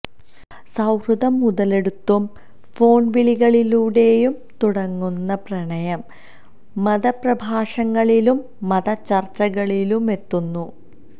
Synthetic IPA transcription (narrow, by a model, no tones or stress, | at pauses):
sɐwruðɐmːuðɐle̞ɽut̪ːum | fo̞ːɳʋiliɣɐɭiluːɽe̞jum | t̪uɽɐŋːunːɐprɐɳɐjɐmː | ɐðɐprɐbʱaːʂɐŋːɐɭilumː | ɐðɐt͡ɕːɐrt͡ɕɐɣɐɭilume̞t̪ːunːu